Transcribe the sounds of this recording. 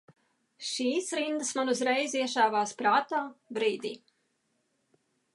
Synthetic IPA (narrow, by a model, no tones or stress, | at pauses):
ʃiːsɾind̪əsmanuzɾɛjziɛʃaːvaːspɾaːt̪aːbɾiːd̪ʲiː